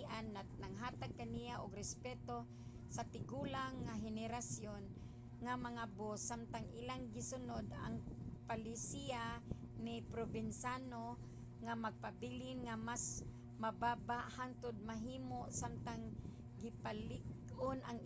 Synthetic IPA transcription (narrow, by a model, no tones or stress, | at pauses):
ʔanːanaŋɦaːt̪aɡ̚kanijaʔoɡɾɛspɛːt̪o | sat̪ɪɡuːlaŋːaɦɛnɛɾasjon | ŋamaŋabosːamt̪aŋʔɪlaŋɡɪsʊnod̪a̰ŋpalɪsia | nɪpɾobɪnsano | ŋamaɡ̚pabilɪnŋamas | mababaʔhant̪ʊd̪̚maɦiːmoʔsamt̪aŋ | ɡɪpalɪɡ | ʔonʔaŋ